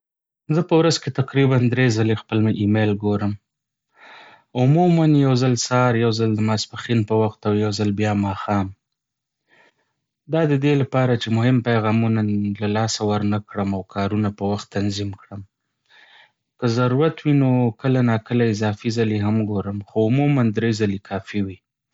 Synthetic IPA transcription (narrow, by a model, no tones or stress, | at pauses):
zəpəwɾazket̪aqɾiband̪ɾezalexpəlmaʔimelɡoɾəm | ʊmumanjawzalsɑɾjawzald̪əmaspaxinpəwaxt̪awjawzalbjɑmɑxɑm | d̪ɑd̪əd̪elapɑɾat͡ʃemʊhɪmpajɣɑmunalalɑsawəɾnakɽəmawkʰɑɾunapəwaxt̪ːanzimkɽəm | kəzaɾuɾat̪winokəlanɑkəlaɪzɑfizaleɦamɡoɾəmxoʊmumand̪ɾezalekʰɑfiwi